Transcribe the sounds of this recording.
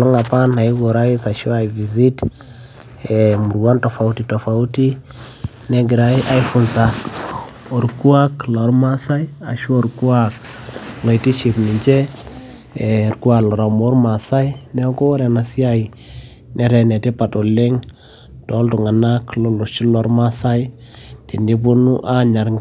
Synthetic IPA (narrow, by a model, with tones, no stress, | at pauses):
lo˦ŋa˨pa˦na˨i˦ɡo˨ɾa˦i˦sa˨ʃi˦wa˨i˨vi˨zi˦t | e˨mu˨ɾwa˦nto˨fa˨u˦ti˨˦to˨fa˨u˦ti˦ | ne˦ɡi˨ɾa˦i˦ʔa˦jfu˨nsa˨ | o˨ɾku˦a˦klo˨ɾma˦sa˦i˦a̰˨ʃu˦o˨ɾku˦a˦k̚ | lo˨ti˦ʃi˨pni˨d͡ʒe˦ | e˨ɾku˦wa˨lo˨ɾa˨mo˦ɾma˨sa˦i˦ne˦ɡo˦ɾe˨na˨si˦a˦i˨ | ne˨ɾe˨ne˨ti˦pa˨to˨le˦ŋ | to˨˦ldu˨ŋa˨na˦klo˨lo˨ʃi˦lo˨ɾma˦sa˦ji˦ | ti˨ndi˦bu˦nu˦ʔa˦ɲa˨ɾ